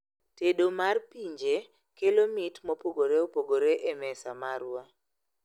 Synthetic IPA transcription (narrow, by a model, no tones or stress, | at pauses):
teɗomarpiɲd͡ʒe | kelomitmopoɡoɾeopoɡoɾeʔemɛsamaɾwa